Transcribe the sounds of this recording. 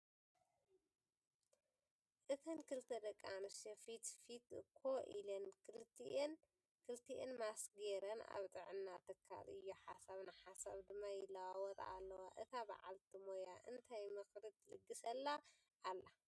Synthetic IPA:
ʔɨt̪ʰɨnkʰɨlt̪ʰɐd̪ɐkʼːanɨsefit̪fit̪ɨ̰kʰːoʔilɐnkʰɨlt̪ʰiʔn | kʰɨlt̪ʰiʔɨnmasɡeɾɐna̰βt̪ʼɨʕɨnːat̪ʰɨkʰːa̰lɨ̰jːuħasaβnɨħasaβd̪ɨmːajɪlːawawɔt̪ʼa̰ʔalːɐwaʔɨt̪ʰaba̰ʕa̰lt̪ʰimojaʔɨnt̪ʰajmɨxɾɨt̪ʰlɨɡːɨsɐlːa | ʔːlːa

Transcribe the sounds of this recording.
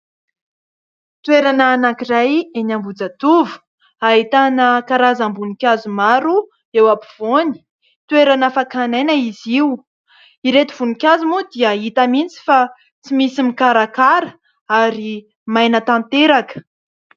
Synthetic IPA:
t̪weɾanaːnakirajenambud͡zat̪uvu̥ | aɦit̪anəkaɾazambunikʲazumaɾu | ewapiv̥oni̥ | t̪weɾanafakanajnaiziw | iɾet̪iv̥unikʲazumud̪iəit̪amint͡si̥fa | t͡simisimikaɾakaɾə̥ | aɾi | majnət̪ant̪eɾakə̥

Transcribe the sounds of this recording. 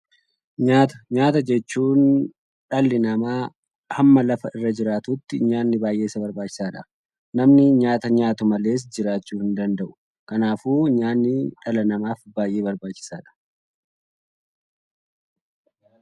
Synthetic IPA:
ɲaːt̪ɐ̥ɲaːt̪ɐd͡ʒɛt͡ʃːuːn | ᶑɐlːɪnɐmaː | hɐmːɐlɐfɐʔɪrːɐd͡ʒɪɾaːt̪ʊt̪ːɪɲaːnːɪbaːjʔe̞ːsɐbɐɾbaːt͡ʃːɪ̥saːᶑɐ̰ | nɐmnɪɲaːt̪ɐɲaːt̪ʊmɐle̞ːs̬d͡ʒɪɾaːt͡ʃːuːhɪnd̪ɐnd̪ɐʔʊ̥ | kɐnaːfuːɲːaːnːɪᶑɐlɐnɐmaːfbaːjʔe̞ːbɐɾbaːt͡ʃːɪ̥saːᶑɐ̥

